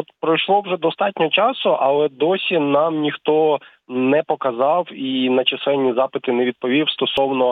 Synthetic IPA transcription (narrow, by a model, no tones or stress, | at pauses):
ɔt̪pɾɔjʃlˠɔwʒɛd̪ɔst̪ɑtʲnʲɔɦɔt͡ʃɑsʊʔɐlˠɛd̪ɔsʲinɑmnʲixt̪ɔ | nɛpɔkɐzɑwinɐt͡ʃɐsˠɛnʲːizɑpɪt̪ɪneʋʲid̪̚pɔʋʲiwst̪ɔsɔwnɔ